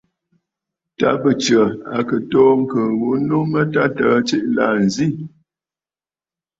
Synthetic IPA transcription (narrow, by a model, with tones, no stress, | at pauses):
ta˨˦bə˨t͡ʃə˨a˨kə˨tɔː˦ŋ̩˦˨kə˨ɣo˨˦nu˦mə˦ta˦tə˨˦t͡ʃi˦ʔla̰˨n˨zi˦˨